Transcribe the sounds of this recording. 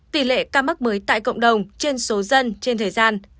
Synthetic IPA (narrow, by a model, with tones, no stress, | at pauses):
t̪i˨˩lḛ˧˨kaː˧mə˦˥k̚məː˨˦jt̪a̰ː˧˨jkə̰˧˨wŋ͡mɗə˨˩wŋ͡mt͡ɕe˧nso˨˦zə˧nt͡ɕe˧nt̪ʰəː˨˩jzaː˧n